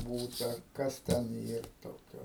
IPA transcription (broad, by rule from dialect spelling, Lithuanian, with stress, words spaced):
ˈbuːtɐ ˈkɐs tʲɛn ˈiːr ˈtoːkʲoː